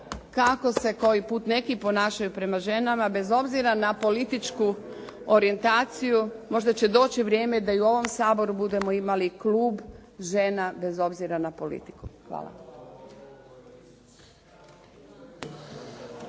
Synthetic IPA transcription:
kako̞se̞ko̞jipuːt̪ne̞kipo̞naːʃajupɾe̞maʒe̞namabe̞zo̞bziɾanapo̞lit̪it͡ʃkuo̞ɾie̞nt̪aːt̪sijumo̞ʒd̪at͡ɕe̞d̪o̞ːt͡ɕiʋɾje̞ːme̞d̪aiuo̞ʋo̞msaːbo̞ɾubud̪e̞mo̞imaliklˠuːbʒe̞nabe̞zo̞bziɾanapo̞lḭt̪i̥kuxʋa̰ːla̰

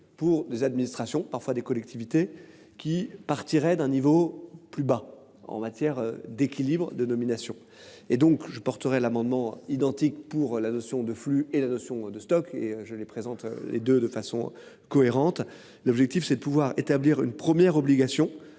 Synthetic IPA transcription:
puʁd̪ezad̪minist̪χasjɔ̃paʁfwad̪ekɔlɛk̚t̪ʰivit̪e | kʲipaʁt̪iʁɛd̪ɛ̃nivoplyba | ɑ̰̃mat̪jɛʁd̪ekʲilibʁəd̪ənɔminasjɔ̃ | ed̪ɔ̃kʒəpɔʁt̪əʁɛlamɑ̃d̪mɑ̃id̪ɑ̃t̪ikpuʁlanɔsjɔ̃d̪əflyelanɔsjɔ̃d̪əst̪ɔkḛøʒəlepχezɑ̃t̪ø̰lʔḛd̪ød̪əfasɔ̰̃ | kɔeʁɑ̃t̪ | lɔbʒɛk̚t̪ifsɛd̪əpuvwaʁet̪abliʁy̰npχəmjɛʁɔbliɡasjɔ̃

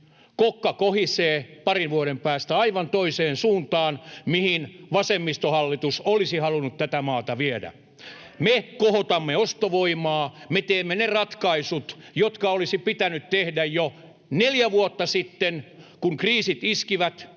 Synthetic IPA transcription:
kokːɑkohiseːpɑrinʋuoɾempæːst̪æɑiʋɑnt̪oiseːnsuːnt̪ɑːnmihinʋɑsemːist̪ohɑlːit̪usolisihɑlunut̪t̪æt̪æmɑːt̪ɑʋiedæ̰ | mekohot̪ɑmːeost̪oʋoimɑːmet̪eːmːenerɑt̪kɑisut̪jot̪kɑolisipit̪ænyt̪t̪ehdæjjo | neljæʋuot̪ːɑsit̪ːenkuŋkriːsit̪iskiʋæt̪

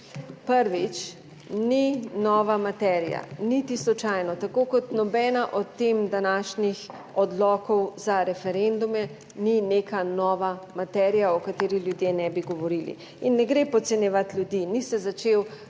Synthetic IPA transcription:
pəɾʋit͡ʃ | ninɔːʋamat̪ɛɾija̰nit̪islɔt͡ʃajnɔt̪akokɔt̪nɔbɛːnaʔɔt̪ːemd̪anaːʃnix | ɔd̪lɔːkɔwzaɾɛfɛɾend̪umɛ | ninekanɔːʋamat̪ɛːɾijaɔkat̪eːɾixlʲjud̪jenɛbiɡɔʋɔɾilḭ | inːɛɡɾepɔt̪sɛnjɛʋat̪ljud̪inisɛzat͡ʃew

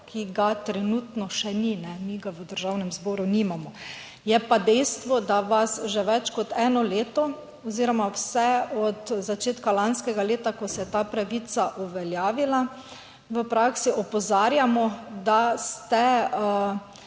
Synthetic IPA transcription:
kʰiɡat̪ɾɛnut̪nɔʃɛninɛmiɡaʋəd̪əɾʒawnɛmzbɔːɾunimamɔ | jɛpad̪ɛjst̪ʋɔd̪aʋasʒɛʋɛt͡ʃkɔt̪ɛːnɔleːt̪ɔ | ɔziɾɔmawsɛɔt̪zat͡ʃeːt̪kalanskɛɡaleːt̪akɔsɛjɛt̪apɾaʋit̪saʔuʋɛljaːʋila | ʋəpɾaksiʔɔpɔzaːɾjamɔd̪ast̪ɛ

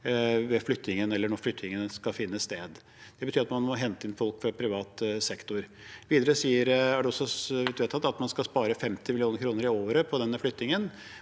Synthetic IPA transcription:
ʋɛflʏt̪ːnɪŋənɛlːəɳɔɾflʏt̪ːnɪŋənskɑfɪnːəst̪eːd̪ | d̪̥ɛbət̪ʰyːɾɑt̪mɑnmɔɦɛnt̪əɪnfɔlkfɾɑpʰɾɪʋɑːt̪sɛkt̪ʊɾ | ʋiːd̪əɾəsiːəɾæɖɛɔsːɔʋd̪ʋeːt̪ʰːɑt̪ːɑt̪mɑnskɑlspɑːɾəfɛmt̪ɪmɪlɪuːnəɾkʰɾuːnəɾɪoːɾəpʰɔd̪ɛnːəflʏt̪nɪŋən

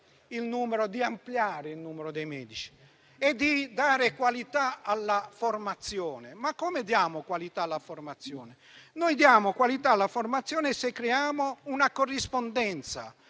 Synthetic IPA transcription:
ilnuːmeɾʊd̪iampljaːɾɪilnuːmeɾʊd̪ɛjmɛːd̪it͡ʃi̥ | ɛd̪ːid̪aːɾɪkwalit̪aalːaformat̪sːjɔːnɪmakːɔmed̪jaːmʊkwalit̪aːlːaformat̪sːjɔːnɪ | nɔjd̪jaːmokwalit̪alːaformat̪sːjɔːnɪsekːɾɛaːmounakorːispond̪ɛnt̪sa̰

